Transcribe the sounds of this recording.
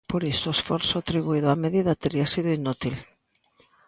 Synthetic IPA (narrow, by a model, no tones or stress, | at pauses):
poɾisʊesfɔɾsʊat̪ɾiβuiðʊameðiðɐt̪eɾiasiðʊinut̪il